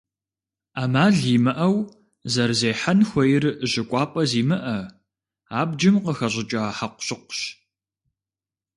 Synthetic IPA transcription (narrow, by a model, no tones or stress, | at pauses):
aːmaːɮiːmɨʔɐw | zɐrzeːħanxʷɔjɪrʑɪkʷʼɑːpʼɐziːmɨʔɐ | aːbd͡ʒɪmqəxɐʑɪt͡ʃʼaħaqʷʊ̥ɕʊqʷʊ̥ɕ